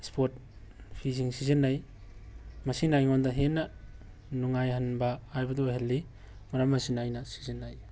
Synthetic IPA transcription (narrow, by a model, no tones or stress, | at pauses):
spʰot̚ | pʰiziŋsizinːaj | mɐsinajŋondɐɦenːɐ | nuŋajhanbɐːjbɐduɦelːi | maɾamɐsinajnɐsi̥zinːaj